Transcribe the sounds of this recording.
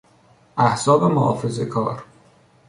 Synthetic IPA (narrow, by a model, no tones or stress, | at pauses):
ʔæhsɒːbe̞mohɒ̰ːfe̞zekʰɒːɾ